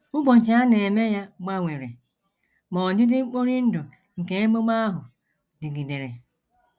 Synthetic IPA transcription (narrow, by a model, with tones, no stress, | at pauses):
ʊ˦ɡ͡bo˨n̩˨t͡ʃi˨˦a˦ne˨me˦ja˦ma˦ŋʷe˨ɾḛ˨ | mɔ˨d͡ʒɪ˦dɪ˦ŋ͡m̩˦k͡po˦ɾi˦n̩˦dʊ˨ | ŋ̩˨ke˨e˦mo˦ma˦a˦ɦʊ˨ | dɪ˨ɡi˨de˨ɾe˨